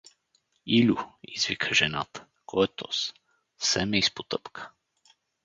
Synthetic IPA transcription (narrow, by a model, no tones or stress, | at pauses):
ilʲuizvikʰəʒɛna̰t̪ə̥ | kʰɔjɛt̪ɔ̰s | sɛmɛispot̪ɤpkə̥